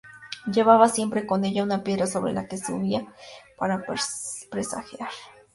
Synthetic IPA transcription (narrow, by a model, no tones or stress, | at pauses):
jeβaβasje̞mpɾe̞ko̞ne̞ʎaunapje̞ðɾaso̞βɾḛla̰kesṵβiapaɾapɾesa̰xjaɾ